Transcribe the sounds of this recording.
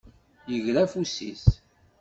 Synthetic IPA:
jəʝɾæfusḭs

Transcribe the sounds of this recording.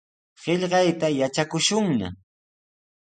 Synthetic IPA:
ɢ̥eʎɢɑjt̪ajat͡ʃakʊʃʊŋna̰

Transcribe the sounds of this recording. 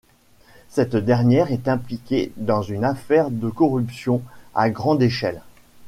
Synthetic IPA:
sɛt̪d̪ɛʁnjɛʁɛt̪ɛ̃plikʲed̪ɑ̃zynafɛʁd̪əkɔʁypsjɔ̃a̰ɡʁɑ̃d̪eʃɛ̰l

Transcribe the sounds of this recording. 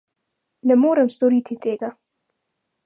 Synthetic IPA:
nɛmoːɾəmst̪oɾiːt̪ʰit̪ʰeːɡa

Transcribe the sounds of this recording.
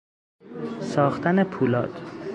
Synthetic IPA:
sɒːxt̪ʰæne̞pʰuːlɒːt̪

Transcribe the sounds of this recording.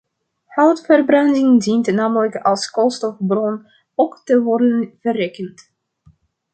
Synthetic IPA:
hɑwtfərbrɑndɪŋdintnaːmələkɑlˠskɔlˠstɔfbrɔn | owktəʋɔrdənv̥əreːkənt

